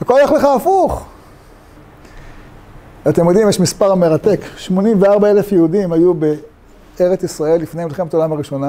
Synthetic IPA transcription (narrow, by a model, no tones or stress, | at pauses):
akoleχleχaːfuχ | at̪emjod̪imjeɛʃmispaʁame̞ʁat̪e̞kʃmo̞nimveaʁbae̞lefjeud̪imajube | eʁet͡sisʁae̞lːifnemleχemetaolamaʁiʃo̞na